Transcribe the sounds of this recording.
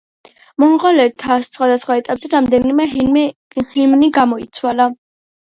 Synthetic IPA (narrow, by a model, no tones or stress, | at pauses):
mɔnʁɔlɛɾt̪ʰassχwad̪asχwaɛt̪ʼapʼzɛɾamd̪ɛnimɛ | himniɡamɔit̪sʰwala